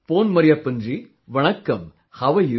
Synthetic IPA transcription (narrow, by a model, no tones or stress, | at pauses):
poːnmɐɾɪjɐpːɐndri | ʋɐɳɐkːɐm | hɐʋɐj